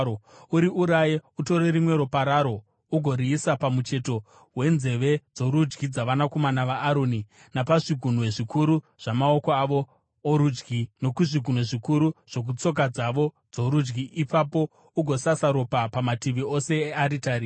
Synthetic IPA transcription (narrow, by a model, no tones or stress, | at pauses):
ouɾiʔuɾajeuto̞ɾerimwe̞ɾopaɾaɾo̞ | uɡʱo̞ɾiːsapamut͡ʃe̞to̞ | we̞nze̞ʋe̞d͡zo̞ɾud͡ʒɡid͡zaʋanako̞manaʋaːɾoːni | napaʐiɡʱun̤uweʐikuɾu | ʐ̥amaokoaʋo̞ː | ɾud͡ʒɡino̞kuʐiɡʱun̤oʐikuɾuʐ̥o̞k̬ut͡so̞k̬ad͡zaʋo̞ | d͡zo̞ɾud͡ʒɡiʔːpapo̞ | uɡʱo̞sasaɾo̞papamatiʋio̞se̞ːaɾitaɾi